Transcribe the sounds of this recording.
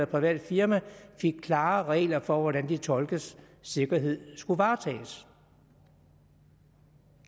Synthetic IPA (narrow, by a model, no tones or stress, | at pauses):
ɐpʰʁiʋɛ̰ːd̥fiɐmæfe̝ɡ̥̚kʰlɑ̈ːʁɛ̰ːlɐfɒ̽ʋɒɾ̥ænd̥it͡sʰɒ̽lɡ̥əsː | e̝ɡ̥ɐɦe̝ð̰ˠsɡ̥uʋɑ̈ːt͡sʰɛ̰ːs